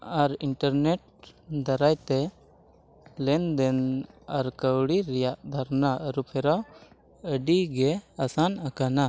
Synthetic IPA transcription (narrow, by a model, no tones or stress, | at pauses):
aɾiɳʈaɾneʈ̚ | d̪aɾajt̪ɛ | lɛnd̪ɛnaɾkəwɽiɾijaʔd̪ʱaɾnaʔəɾupʰɛɾa | əɖiɡɛasanakana